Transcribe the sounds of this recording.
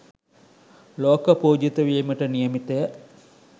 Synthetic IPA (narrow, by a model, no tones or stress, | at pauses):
loːkəpoːd͡ʒet̪əʋiːməʈənijəmit̪əjə